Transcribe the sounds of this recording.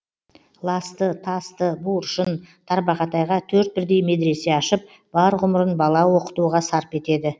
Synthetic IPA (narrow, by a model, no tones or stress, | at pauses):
lˠɑst̪ət̪ʰɑst̪əbuɾʃənt̪ʰɑɾbɑqɑt̪ɑjʁɑt̪ʰɵɾt̪̚bɪɾd̪e̞jme̞d̪ɪɾe̞se̞ɑʃəp̚ | b̥ɑɾʁʊməɾənbɑlˠɑwo̞qə̥t̪uʁɑsɑɾpe̞t̪e̞d̪ɪ